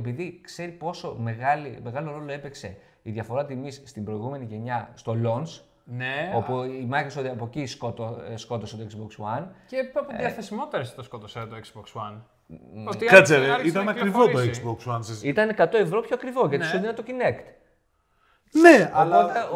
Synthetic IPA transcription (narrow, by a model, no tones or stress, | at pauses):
epiðikse̞ɾipo̞so̞me̞ɣɐlime̞ɣɐlo̞ɾo̞lo̞epekse̞ | iðʝɐfo̞ɾɐt̪imisst̪imbɾo̞iɣume̞niʝe̞ɲɐst̪o̞lo̞ns | neopuimɐkɾosoðiɐpociskot̪osko̞t̪oset̪oekzbokswɐnceɐpoðiɐθesimo̞t̪eɾese̥t̪oskot̪oset̪oeksbokswɐn | ot̪ikɐt͡seɾeit̪ɐnɐkkɾivot̪oesbokswɐnsisit̪ɐnekɐt̪o̞e̞vɾopçoɐkɾivo̞ʝɐt̪isseninɐt̪ocinekt̪ | neɐlɐ